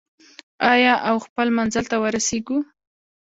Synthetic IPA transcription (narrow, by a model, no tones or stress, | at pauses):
ɑjɑʔawxpəlmanzəlt̪awəɾaseɡu